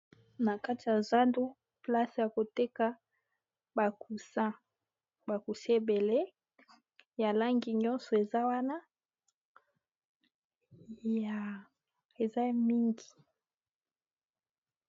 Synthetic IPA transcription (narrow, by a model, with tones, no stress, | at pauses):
na˨ka˦ti˨ja˨za˦ndu˦ | pla˦se˨ja˨ko˨te˦ka˦ | ba˨ku˨sa˦ | ba˨ku˨si˦e˦be˨le˦ | ja˨la˦ŋɡi˨ɲɔ˦nsɔ˨e˨za˦wa˦na˦ | ja˨ | e˨za˦mi˦ŋɡi˨